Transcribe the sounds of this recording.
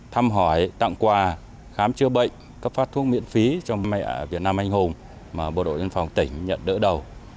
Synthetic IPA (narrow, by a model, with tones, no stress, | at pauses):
t̪ʰaː˧mɦɔ˧˩jt̪a̰˧˨ŋkwaː˨˩ | xaː˨˦mt͡ɕɨ˧əɓə̰˧˨jŋ̟ | kə˦˥p̚faː˦˥t̪ʰu˦˥ək̚mḭ˧˥nfi˨˦t͡ɕɔ˧wŋ͡mma˧jʔaː˧˩vi˨˩ət̚naː˧mʔa˧jŋ̟hʊ˧˩ŋ͡m | maː˨˩ɓo̰˧˨ɗo̰˧˨jvə˧nfa˨˩wŋ͡mt̪ï˧˩ŋ̟ɲə̰˧˨nɗə̰ː˧˥ɗə˨˩w